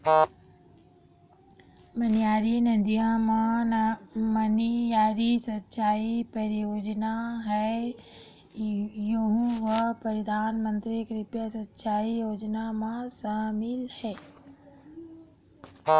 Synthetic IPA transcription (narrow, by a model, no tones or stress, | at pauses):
mənijaːɾinəd̪ijãma | mənijaːɾisɐtːʃʰaːipəɾɪjoːd͡ʒnaɦɛ | joɦũʋəpəɾəd̪ʱaːnmə̃nt̪ɾikɾɪpjəsɐtːʃʰaːijoːd͡ʒnamãsaːmɪlhɛː